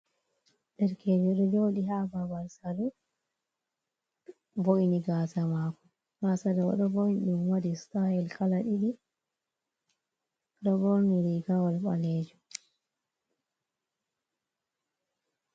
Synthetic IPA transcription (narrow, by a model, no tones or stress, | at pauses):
ɗɛɾkʰed͡ʒɔɗɔd͡ʒoːɗiɦababaɾsalu | voʔiniɡasamaːkɔ | ɡasadɔɔ̰ɗɔvonɗumwadistahɛlkalaɗiɗi | ɗɔbɔɾniɾiɡawalba̰leːd͡ʒu